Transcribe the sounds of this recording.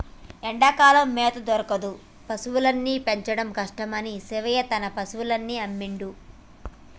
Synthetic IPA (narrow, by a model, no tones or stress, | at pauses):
eɳɖakaːlɐmːeːt̪ɐd̪ɔɾɐkɐd̪u | pɐsuʋulɐnːiːpe̞ɲt͡ʃɐɽɐmkɐʂʈɐmɐnisiʋɐjɐt̪ɐnɐpɐsuʋulɐnːiɐmːiɳɖu